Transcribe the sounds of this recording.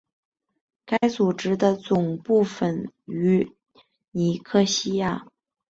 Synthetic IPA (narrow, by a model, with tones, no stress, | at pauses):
ka˥ɪt͡su˨˩ʈ͡ʂɻ̩˥d̪ə˧t͡sʊ˨˩ŋpu˥˩fə˨˩ny˧˥ | ni˨˩kʰɤ˥˩ɕi˥ja˥˩